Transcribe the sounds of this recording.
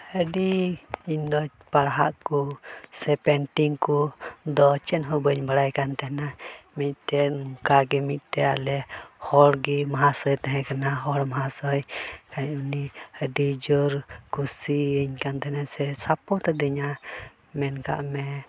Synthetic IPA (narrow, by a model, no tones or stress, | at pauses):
həɖiiɲd̪ɔ | paɾaɦaʔkusɛpɛnʈiŋkud̪ɔt͡ʃɛnɦubəɲbaɾajkant̪ɛhnamiʔt̪ɛmukaɡɛmiʔt̪ɛa̰lɛhɔlɡimaɦasɔjt̪ɛɦɛ̃kənaɦɔlmaɦasɔjkaɲunihədid͡ʒuɾkusiːɲkant̪ɛhnasɛsapɔʈ̪ɔd̪iɲa | mɛnka̰ʔmɛ